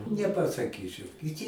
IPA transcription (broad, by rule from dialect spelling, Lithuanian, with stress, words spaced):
nʲɛpɐsɐˈkʲiːt͡ʃʲɛʊ kʲɪˈtʲiː